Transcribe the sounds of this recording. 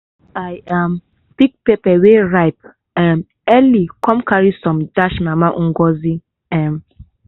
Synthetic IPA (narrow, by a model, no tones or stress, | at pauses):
ajam | biɡ̚pepɛweɹajp̚ | ɛm | ɛlikɔ̃mkaɹisɔ̃mdaʃmamaʔũɡɔzi | ɛ̃m